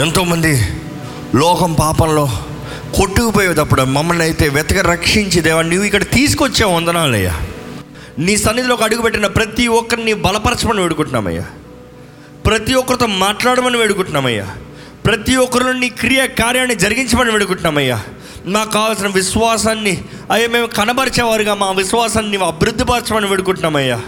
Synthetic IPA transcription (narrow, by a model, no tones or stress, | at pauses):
ent̪o̞ːmɐnd̪i | lɔːkɐmpaːpɐmlo̞ː | koʈːukupoːjeːd̪ɐpːuɽumɐmːɐlniɐjt̪e̞ːʋɛt̪ɐɡɐɾɐkʂiɲt͡ʃid̪eːʋaːnuːʋːuikːɐɽɐt̪iːsu̥kot͡ʃːeːɔnd̪ɐnaːlɐ̰jːa̰ː | niːsɐnːit̪ilo̞ːkiɐɽuɡupeʈːinɐpɾɐt̪iɔkːɐɾnibɐlɐpɐɾɐt͡ʃɐmɐniʋeːɽukuɳʈuna̰ːmɐ̰jːa̰ː | pɾɐt̪iɔkːɐɾt̪oːmaːʈlaːɽɐmɐniʋeːɽukuɳʈunaːmɐjːa̰ː | pɾɐt̪iɔkːɐɾulonːikɾijɐkaːɾjaːɳɐid͡ʒɐɾiɡiɲt͡ʃɐmɐniʋeɽuk̬uɳʈunːaːmɐjːa̰ː | naːkːaːʋaːls̬inɐʋiʃʋaːsɐnːi | ɐjːaːme̞ːmkɐnɐbɐɾt͡ʃɛːʋaːɾuɡaːmaːʋiʃʋaːsɐnːiɐbʱiɾud̪ʱːipɐɾt͡ʃɐmɐniʋeɽukuɳʈunaːmɐjːaː